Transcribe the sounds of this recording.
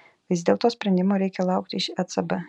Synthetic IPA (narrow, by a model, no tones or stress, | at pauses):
ʋʲɪzd̪ʲeːlˠt̪oːsʲpʲɾʲɛnd̪ʲɪmoːɾʲɛɪkʲɛlˠɐʊkt̪ʲɪɪʃɛt̪sɐbɛ